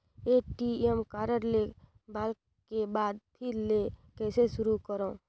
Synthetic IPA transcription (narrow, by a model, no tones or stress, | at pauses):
eːʈiemkaːɾəɾle | baːl | kebaːd̪̚pʰiɾlekɛːseʃʊɾukəɾõ